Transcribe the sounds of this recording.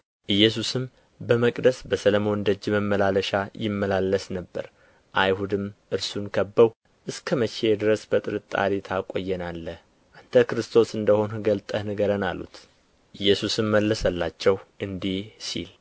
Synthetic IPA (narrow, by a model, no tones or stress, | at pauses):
ʔɨjːɛs̬usɨm | bəməkʼd̪əsbəsələmo̞nɨnd̪əd͡ʒːməmːəlaləʃajɪmːəlalːəsnəbːə̰ɾ | ʔajhud̪ɨmʔɨɾsunkʰəbːəw | ʔɨskʰəmət͡ʃe̞d̪ɨɾəsbət̪ʼɨɾɨt̪ʼːa̰ɾit̪ʰakʼo̞jːɛnalːəh | ʔant̪ʰəkɾɨst̪ʰo̞sɨnd̪əho̞nhɨɡəlt̪ʼənɨɡəɾənalṵt̪ | ʔɨjːɛsusɨmːəlːəsəlːat͡ʃːɛwʔɨnd̪ihsḭl